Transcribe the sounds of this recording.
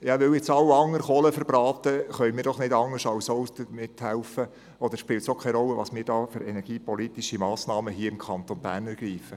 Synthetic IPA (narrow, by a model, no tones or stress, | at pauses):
jɑʋɵwet͡sɑwɑŋːəɾχoləfəɾbɾɑːt̪əχœʏmiːɾd̥ɔχnɪdɑŋəʃɑwsɔwd̥əmɪthælfə | ɔd̪əɾʃpɪltsokʰɛɪɾɔlːəʋɑ̰ːsmɪːɾdɑːføɾɛnɛɾɡ̥iːpɔlit̪iʃimɑːsnɑːməɦiːəɪmkʰɑnt̪onbæ̰ːɾnɛɾɡ̥iːfə